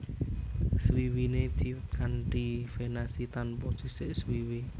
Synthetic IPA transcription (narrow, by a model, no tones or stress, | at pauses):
swiwined̥iwt̪̚kaɳʈifenasit̪anpɔd̥ʒ̥i̤sɪʔswiwi